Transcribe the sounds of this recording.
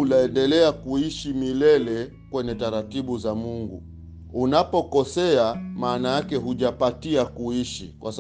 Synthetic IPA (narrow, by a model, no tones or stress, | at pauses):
laɛndɛlɛakuiʃimilɛlɛ | kwɛɲɛtaɾatiɓuzamuŋɡṵ | unapɔkɔsɛamaːnajakɛɦuʄapatiakuiʃḭkwas